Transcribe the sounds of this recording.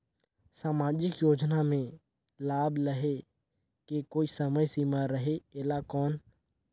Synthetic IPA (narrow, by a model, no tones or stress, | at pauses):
saːmaːd͡ʒɪkjoːd͡ʒnamẽ | laːbləɦe | kekoːisəməjsimaɾəɦeeːlakɔːn